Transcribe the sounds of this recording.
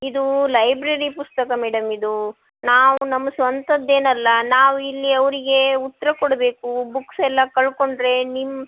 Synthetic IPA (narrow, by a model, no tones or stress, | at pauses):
id̪ulɐjbɾɐɾipust̪ɐkɐmɛːɽɐmid̪u | naːʋunɐmːɐsʋɐnt̪ɐd̪ːe̞ːnɐlːɐnaːʋuilːiɐʋɾiɡe̞ut̪ːɐɾɐkoɽɐbe̞ːkubuksɛlːɐkɐɭko̞ɳɖɾe̞nimːɐ